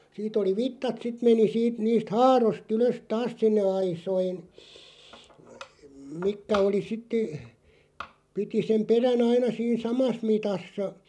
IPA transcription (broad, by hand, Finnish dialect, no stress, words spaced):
siːt oli ʋitːɑt sit meni siːt niːst hɑːrost yløs tɑːs sinːe ɑisoin mikːæ oli sitːe piti sem peræn ɑinɑ siːn sɑmɑs mitɑsːɑ